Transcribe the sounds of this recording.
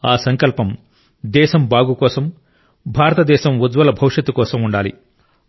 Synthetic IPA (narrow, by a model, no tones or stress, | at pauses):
aːsɐŋkɐlpɐm | d̪ɛːʃɐmbaːɡukɔːsɐm | bʱaːɾɐt̪ɐd̪ɛːʃɐmud̪ʋɐlɐbʱɐwʂɐt̪ːukɔːsɐmuɳɖaːlḭ